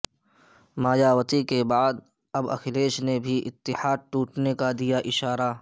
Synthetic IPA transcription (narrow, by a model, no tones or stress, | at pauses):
maːjaːwət̪ikebaːd̪ | ɐbɐ̰xʰɪleːʃnebʱiʔɪt̪ːɪhaːd̪̚ʈuːʈnekad̪ijaʔɪʃaːɾa